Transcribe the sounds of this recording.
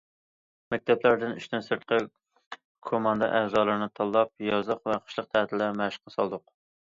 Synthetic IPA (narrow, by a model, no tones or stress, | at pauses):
mɛk̚ʲt̪ʰɛplæɾd̪ɪny̰ʃt̪ʰɪnsɨɾt̪̚qʰə | kʰomɑnd̪ɑ̰ʔæːzɑːlˠɨɾnɨt̪ʰɑlˠːɑp̚jɑzəqvɛqʰə̥ʃlˠəq̚t̪ʰæɦt̪ʰɪlæɾmæʃə̥qɑsɑlˠd̪ʊq